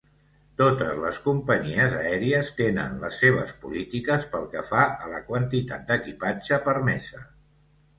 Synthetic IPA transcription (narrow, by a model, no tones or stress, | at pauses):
t̪ot̪əzləskumpəɲiəzəɛɾiəst̪enə̰nləsːeβ̞əspulit̪ikəspəlˠkəfaʔələkwənt̪it̪at̪̚d̪əkipad͡ʒəpəɾmɛsə